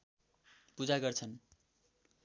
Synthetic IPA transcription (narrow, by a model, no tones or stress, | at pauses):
pud͡zaɡʌrt͡sʰʌn